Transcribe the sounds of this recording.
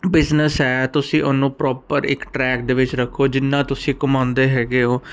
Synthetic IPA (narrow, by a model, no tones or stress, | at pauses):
bɪznəsɦɛːt̪ʊsĩːʔʊnːũːpɾɔːpəɾɪ̰kʈɾɛːk̚d̪eːʋɪt͡ʃɾəkʰːoːd͡ʒɪnːãːt̪ʊsĩːkʊmãːnd̪eːɦɛːɡeːoː